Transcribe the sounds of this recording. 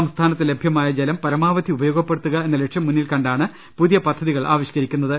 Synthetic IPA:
ɐmst̪ʰaːnɐt̪ːɨle̞bʱjɐmaːjɐd͡ʑelɐmpɐɾɐmaːʋɐd̪ʱiubɐjo̞ːɡɐpːe̞ɽut̪ːuɣɐe̞nːɐle̞ʈʂjɐmːunːilkɐɳɖaːɳɨ | puðijɐpɐd̪ʱːɐðiɣɐɭʔa̰ːʋiɕi̥kɐɾikʲːunːɐðɨ

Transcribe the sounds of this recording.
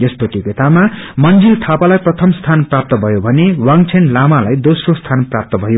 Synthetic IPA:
jʌspʌt̪joket̪amamʌnd͡zilt̪ʰapalajprʌt̪ʰʌmst̪ʰanprap̚t̪ʌbʱʌjobʱʌnewaŋt͡sʰenlamalajd̪osrost̪ʰanprap̚t̪ʌbʱʌjo

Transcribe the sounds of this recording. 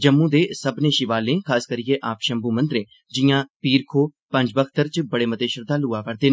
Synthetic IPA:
d͡ʒəmːũːd̪eːsəbnẽːʃɪʋaːlẽːkʰaːskəɾijeːʔaːpʃəmbuːmə̃nd̪ɾẽː | d͡ʒɪjãːpiːɾkʰoː | pə̃ɲd͡ʒbəkʰt̪əɾt͡ʃbəɽeːmət̪eːʃəɾd̪aːluːaːpəɾd̪eː

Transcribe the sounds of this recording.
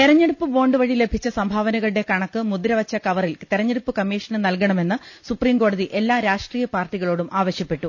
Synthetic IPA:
t̪iɾɐɲːeɽupːɨbo̞ːɳɖɨʋɐɻile̞bʱit͡ɕːɐsɐmbʱaːʋɐnɐɣɐɭɽe̞kɐɳɐkːɨmud̪ɾɐʋɐt͡ɕːɐkɐʋɐrilt̪iɾɐɲːeɽupːɨkɐmːiːʂɐnɨnɐlkɐɳɐme̞nːɨsupriːmko̞ːɽɐðiʔe̞lːaːɾaːʂʈriːjɐpaːrʈːiɣɐɭo̞ːɽumʔaːʋɐɕjɐpːe̞ʈːu

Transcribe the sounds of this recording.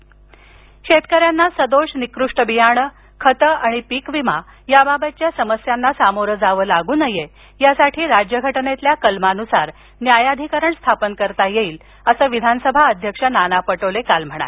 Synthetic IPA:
ɕet̪kəɾjanːasəd̪oʂnikɾuʂʈəbijaɳə | kʰət̪əaɽ̃ipikʋima | jababət͡ɕjasəməsjanːasamoɾəd͡zaʋəːlaɡuːnəje | jasaʈʰiːɾad͡ʑjəɡʱəʈnet̪ljakəlmanusaɾ | njajad̪ʱikəɾəɳst̪ʰapənkəɾt̪ajeiːl | əsəːʋid̪ʱansəbʱaəd̪ʱjəkʂənanapəʈəlekalm̤əɽ̃a̰l

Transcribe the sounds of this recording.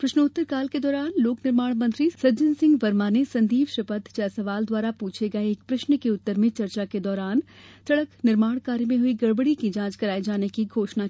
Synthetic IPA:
pɾɐʃnəʊt̪ːəɾkaːlked̪ɔːɾaːnloːknɪɾmaːɽ̃mə̃nt̪ɾisɐd͡ʒɪnsɪ̃ŋɡʋɐɾmaːnesɐ̃nd̪iːʋʃɐpət̪t͡ʃɛːsɐʋaːld̪ʋaːɾapuːt͡ʃʰeɡɐeːk̚pɾɐʃnkeʊt̪ːəɾmẽt͡ʃɐɾt͡ʃaked̪ɔːɾaːn | t͡ʃɐɽəknɪɾmaːɽ̃kaːɾimẽɦʊiɡɐɽbəɽikid͡ʒãːt͡ʃkɐɾaːed͡ʒaːnekiɡʱoːʃna

